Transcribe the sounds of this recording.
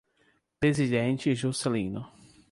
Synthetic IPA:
pɾezid̪ẽnt͡ʃɪʒoselĩnʊ

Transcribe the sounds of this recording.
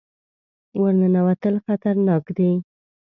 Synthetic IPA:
wəɾnənawat̪əlxat̪aɾnɑkd̪ej

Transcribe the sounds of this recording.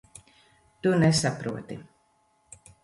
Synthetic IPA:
t̪unesapɾuɔt̪i

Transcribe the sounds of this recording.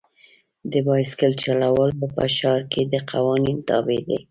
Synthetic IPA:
d̪əbɑjskəlt͡ʃalawəlpəpə̰ʃɑɾked̪əqʰawɑnint̪ɑ̰bed̪ḛ

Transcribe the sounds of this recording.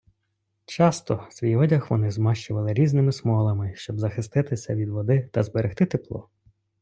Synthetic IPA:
t͡ʃɑst̪ɔsʲʋʲijɔdʲɐxʋɔnɪzmɑʃt͡ʃʊʋɐlˠɪɾʲiznɪmɪsmɔlˠɐmɪʃt͡ʃɔbzɐxɪst̪ɪt̪ɪsʲɐ̰ʋʲid̪ʋɔd̪ɪt̪ɐzbeɾext̪ɪt̪eplˠɔ̰

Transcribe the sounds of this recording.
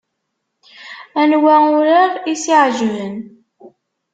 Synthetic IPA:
ænwæʊɾəʁisiʕʒvən

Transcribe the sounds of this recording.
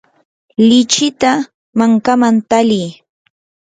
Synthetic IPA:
lɪt͡ʃɪt̪a | maŋkamant̪alij

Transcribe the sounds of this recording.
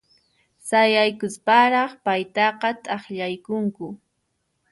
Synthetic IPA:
sajajkʊspaɾɑχpajt̪ɑqɑt̪ʼɑχʎajkʊŋkʊ

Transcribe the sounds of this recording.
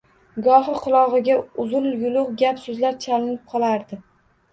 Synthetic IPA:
ɡɒɦɨqʰɨlˠɒʁɨɡʲaʊzʊljʊlʊqɡʲapsɵzlaɾt͡ʃʰalɪnɪp̚qʰɒlˠaɾd̪ɪ

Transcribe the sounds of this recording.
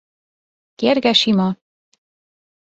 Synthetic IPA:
keːrɡɛʃimɒ

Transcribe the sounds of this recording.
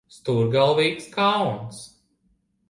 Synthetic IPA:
st̪uːɾɡalˠviːkskawns

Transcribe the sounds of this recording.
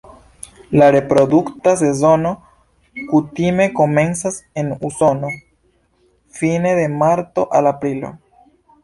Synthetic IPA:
laɾe̞pɾo̞duktase̞zo̞no̞ | kutime̞ko̞me̞nsase̞nuso̞no̞ | fine̞de̞maɾt̪o̞ʔalapɾilo̞̰

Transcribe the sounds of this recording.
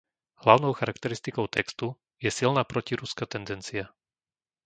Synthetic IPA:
ɦlaʊnɔʊxaɾakt̪ɛɾist̪ikɔʊt̪ʰɛkst̪u | jɛsilnaːpɾɔciɾuskat̪ɛnd̪ɛnt͡sia

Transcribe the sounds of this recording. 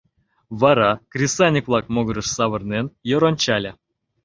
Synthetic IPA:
vɑɾɑkrʲisanʲikvlˠɑk̚moɡəɾə̆ʂsɑβɤ̆rnʲenjoɾonʲt͡ɕalʲɘ

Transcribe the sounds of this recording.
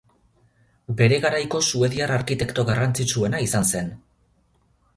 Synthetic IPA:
be̞ɾe̞ɣaɾajko̞sue̞ðiaraɾkit̪e̞kt̪oɣarant͡sit͡ʃue̞naisanse̞n

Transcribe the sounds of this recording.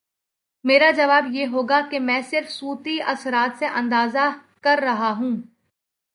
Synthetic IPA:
meːɾad͡ʒɐʋaːbjeːɦoːɡakemɛ̃ːsɪɾfsuːt̪iɐsɾaːt̪seʔɐ̃nd̪aːza | kɐɾːɐɦaɦũː

